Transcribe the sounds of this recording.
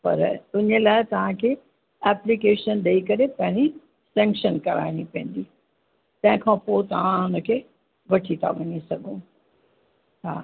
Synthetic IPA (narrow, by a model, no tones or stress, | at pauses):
pɐ̰ɾʊɲəlaːɪt̪ɐʋ̤ãkʰeː | ɛːplikeːʃənɗɐikɐɾepɐ̃ɦɪ̃ɲi | sɛ̃ːŋkʃənkɐɾa̰ːɪɽ̃ipɐ̃ɦɪ̃n̆d̪iː | t̪ɐ̃ɦɪ̃kʰãpoːt̪ɐʋ̤ãʊnə̆kʰeː | ʋɐʈʰit̪ʰa̰ʋɐɲisɐɡʱũ | ɦa̰ː